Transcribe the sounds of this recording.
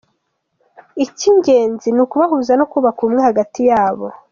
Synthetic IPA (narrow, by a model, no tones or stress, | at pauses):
iciɲɟe̞ːnzinukuβaɦuːzanokuβakumŋehaɡatijaːβo̰